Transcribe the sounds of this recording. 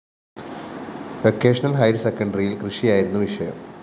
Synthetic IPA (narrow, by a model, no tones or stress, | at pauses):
ʋekːe̞ːʂɐnɐlɦɐjɾsekːɐɳɖrijilkrɨʂijaːjiɾunːuʋiʂɐjɐ̰m